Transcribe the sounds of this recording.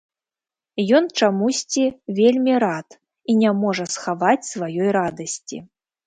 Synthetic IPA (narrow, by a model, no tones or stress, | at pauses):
jɔnt͡ʂamusʲt͡sʲivʲelʲmʲiɾat̪ | inʲamɔʐɐsxavat͡sʲsvajɔjrad̪ɐsʲt͡sʲḭ